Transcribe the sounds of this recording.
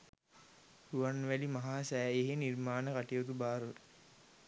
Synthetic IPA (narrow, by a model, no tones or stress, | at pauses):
huʋanʋælimaɦaːsæːeɦenirmaːnəkaʈijot̪ubaːɾu